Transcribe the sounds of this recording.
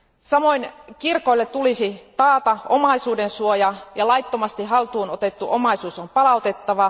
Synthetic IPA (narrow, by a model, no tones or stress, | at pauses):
sɑmoinkirkoilːett̪ulisit̪ɑːt̪ɑʔo̰mɑisuːdensuojɑjɑlɑjt̪ːomɑst̪iɦɑlt̪uːnot̪e̞t̪ːuʔomɑisuːsompɑlɑut̪e̞t̪ːɑʋɑ